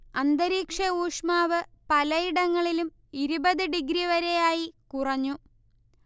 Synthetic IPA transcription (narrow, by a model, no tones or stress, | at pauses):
ɐnd̪ɐɾiːkʂɐuːʂmaːʋɨpɐlɐjiɽɐŋːɐɭilum | iɾubɐðɨɖiɡɾiʋɐɾe̞jaːjikurɐɲːu